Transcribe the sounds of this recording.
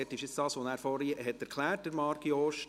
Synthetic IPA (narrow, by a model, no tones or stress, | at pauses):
ɛtːɪʃɪt͡sd̥ɑːsʋonæːɾfɔɾihɛtːɛɾkʰlæːrtd̥əɾmɑɾɡjoːʃ